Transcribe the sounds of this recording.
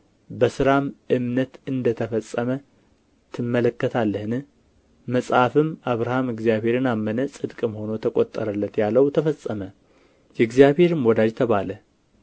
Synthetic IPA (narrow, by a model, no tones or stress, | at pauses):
bəsɨɾamʔɨmnət̪ɨnd̪ət̪ʰəfəsʼːəmə | t̪ʰɨmːələkːət̪ʰalːəhɨnɨ | məsʼhafɨmaβɾahamɨɡzjaβhe̞ɾɨnamːənəsʼɨd̪kʼmho̞nowt̪ʰəkʼot̪ʼːəɾəlːət̪jalːəwt̪ʰəfəsʼːəmə | jɛɡzjaβhe̞ɾɨmwɔd̪ad͡ʒt̪ʰəβalə